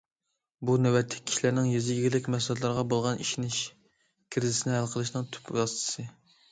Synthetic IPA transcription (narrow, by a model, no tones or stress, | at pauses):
bunɛwɛt̪ʰːɪ̥k̚ʲʰːi̥ʃilæɾnɪŋjyzɡʲiɡʲilɪkʲmɛslɛt̪lˠɑɾʁɑbolˠʁɑniʃinɪʃ | kʲʰiɾɪzɪsɪnɪhælqʰəlˠɨʃnɨŋt̪ʰy̥pɾɑst̪ʰɨ̥sɨ